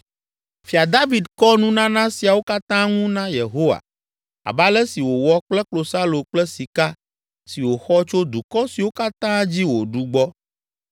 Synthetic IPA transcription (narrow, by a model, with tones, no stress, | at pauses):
fi˨a˨d̪a˦vi˨d̪kɔ˦nũ˦nã˦nã˦si˨a˨wo˦ka˦t̪ã˦ŋũ˦nã˦je˨ɦo˦wa̰˨ | a̰˨ba˦lɛ˦si˨wo˨wɔ˦k͡plɛ˦k͡plo˨sa˦lo˨k͡plɛ˦si˨ka˦ | si˨wo˨xɔ˦t͡ʃo˦d̪u˨kɔ˦si˨wo˦ka˦t̪ã˦d͡ʑi˦wo˨ɖu˦ɡ͡bɔ˦